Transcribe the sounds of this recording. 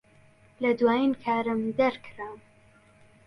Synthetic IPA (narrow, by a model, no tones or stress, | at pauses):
lɐd̪waːjinkʰaːɾɨmd̪ɐɾkʰɾam